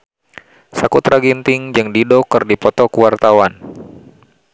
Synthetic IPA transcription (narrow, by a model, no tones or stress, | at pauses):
sakut̪ɾaɡint̪ɪŋd͡ʒɨŋdidɔkɨrdipɔt̪ɔkuwart̪awan